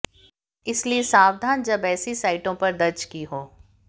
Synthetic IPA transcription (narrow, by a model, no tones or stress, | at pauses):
ɪsliesaːwd̪ʱaːnd͡ʒɐbɛːsisaːɪʈõpɐɾd̪ɐɾt͡ʃkiɦoː